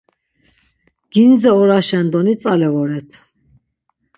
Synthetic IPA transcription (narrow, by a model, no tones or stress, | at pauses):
ɡ̥inzɛɔɾaʃɛnd̪ɔnit͡sʼalɛvɔɾɛt̪ʰ